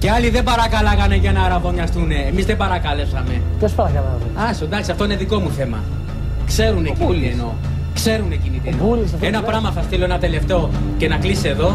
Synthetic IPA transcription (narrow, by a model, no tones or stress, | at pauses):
ceɐliðe̞bɐɾɐkɐlɐɣɐne̞ʝɐnɐːɾɐvo̞ɲɐst̪une̞ːmizðebɐɾɐkɐle̞psɐme̞tosfɐçɐlɐoɐsond̪ɐksiɐft̪o̞ine̞ðiko̞muθe̞mɐ̰ | kse̞ɾunecilieno | kse̞ɾune̞cinit̪ienɾisɐenɐpɾɐmɐθɐst̪ilo̞enɐt̪e̞le̞ft̪e̞o̞ | ce̞nɐklise̞ðo̞